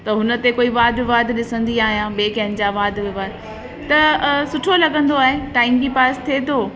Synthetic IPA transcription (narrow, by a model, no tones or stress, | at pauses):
t̪ɐɦʊnə̆t̪ekoːiʋaːd̪ʱɪʋaːd̪ʱɗɪsə̃nd̪iaːɦijãːɓeːkɐɦɪnɪ̆d͡ʑaʋaːd̪ʱʋɪʋaːd̪ | t̪ɐsʊʈʰolɐɠə̃nd̪oaːɦeʈaːɪmd͡ʑepaːst̪ʰet̪ʰoː